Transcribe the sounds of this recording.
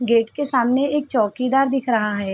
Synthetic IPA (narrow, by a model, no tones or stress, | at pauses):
ɡeːʈkesaːmneeːk̚t͡ʃɔːkid̪aːɾd̪ɪkʰɾəɦaɦɛː